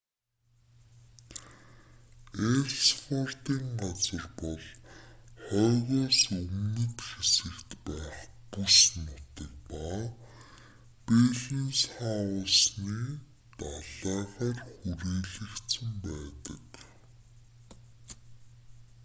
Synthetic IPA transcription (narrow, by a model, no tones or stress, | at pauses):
ersfʰɔr̥t̪iːŋɢat͡sə̆rpɔɮ | χɔːɣɔːsɵmnɘ̆t̪xesɘ̆kt̪pæːχpusnʊt̪ek̚pa | peɮinsχaʊsniː | t̪aɮæːʁaːrxuɾiːɮɘ̆kt̪sə̆mpæːt̪ə̰̆k